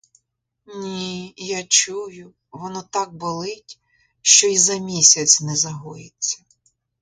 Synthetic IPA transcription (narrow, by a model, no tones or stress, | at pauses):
nʲijat͡ʃujʊ | ʋɔnɔt̪ɑk̚bɔlˠɪtʲ | ʃt͡ʃɔizɐmʲisʲɐt͡sʲnɛzɐɦɔjɪt͡sʲːɐ